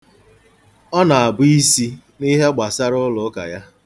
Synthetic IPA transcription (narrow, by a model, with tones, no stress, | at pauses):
ɔ˦na˨a˨bʊ˦i˦si˦ | ni˦ɦe˦ɡ͡ba˨sa˦ɾʊ˦lʊ˨˦ka̰˨ja˦